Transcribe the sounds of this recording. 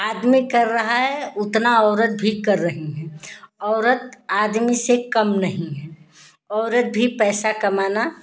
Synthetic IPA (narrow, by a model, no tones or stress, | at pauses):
aːd̪mikɐɾːəɦaɦɛʊt̪naɔːɾət̪̚bʱikɐɾːəɦiɦɛ̃ɔːɾət̪aːd̪misekəmnəɦĩɦɛː | ɔːɾət̪̚bʱipɛːsakɐmaːna